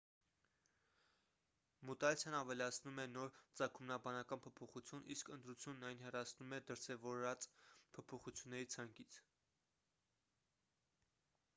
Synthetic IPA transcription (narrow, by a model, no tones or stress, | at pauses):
mut̪ɑlt͡sʰjɑnɑvɛlɑt͡sʰnumɛnɔɾt͡sɑkʰumnɑbɑnɑkɑnpʰɔpʰɔχut͡sʰjuniskənt̪ɾut͡sʰjunːɑjinɦɛrɑt͡sʰnumɛd̪əɾsɛvɔɾɑt͡spʰɔpʰɔχut͡sʰjunːɛɾit͡sʰɑŋkit͡sʰ